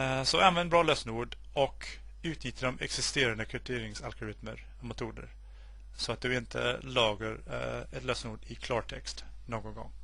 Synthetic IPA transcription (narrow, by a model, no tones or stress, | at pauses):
sɔanvɛnbɾɑːløːsnuːɖ | ɔk | ʉ̟ːt̪nʏt̪ʰːəɖɔmɛ̰ksɪst̪eːɾand̪əkʰœʈʰeːɾɪŋsalɡʊɾɪt̪mə̰ɾ | mɛt̪ʰuːd̪ə̰ɾ | sɔat̪̚d̪ɵɪnt̪ʰə̰lɑːɡəɾɛt̪løːsnuːɖɪkʰlɑːʈʰɛkst̪noːɡɔnɡɔ̰ŋː